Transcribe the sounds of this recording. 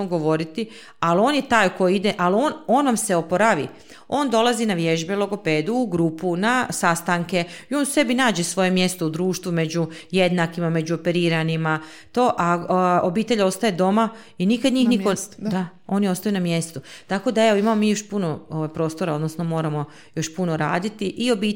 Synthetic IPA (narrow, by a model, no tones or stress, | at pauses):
ɡo̞ʋo̞ɾit̪i | alio̞ːnjet̪aːjko̞jid̪eʔalono̞ːnʋamse̞o̞poɾaʋḭ | o̞ːnd̪o̞lˠazinaʋje̞ʒbelˠo̞ɡo̞pe̞ːd̪uːɡɾuːpunasast̪aŋke̞io̞ːnse̞binaːd͡ʒe̞sʋo̞je̞mje̞st̪oud̪ɾuːʃt̪ʋume̞d͡ʑuje̞d̪nakimame̞d͡ʑuope̞ɾiːɾanima | t̪o̞ːʔaobiːt̪e̞ʎo̞st̪ajed̪o̞ma | inikad̪ɲiːxnikod̪ao̞nio̞st̪ajunamje̞st̪ut̪ako̞d̪aeʋoimamomiːjo̞ʃpuno̞oʋajpɾo̞st̪o̞ɾao̞d̪nosno̞mo̞ːɾamo̞ | jo̞ʃpuno̞ɾa̰ːd̪it̪iʔio̞biː